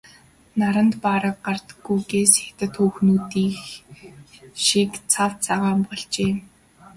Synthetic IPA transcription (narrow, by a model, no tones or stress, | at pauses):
naɾə̆nt̪paɾə̆k̚ɢart̪əɡujɡeːset̪ɘ̆t̪xuːxnuːt̪iːx | ʃikt͡sʰawt͡sʰaʁaːmpɔɮt͡ɕeː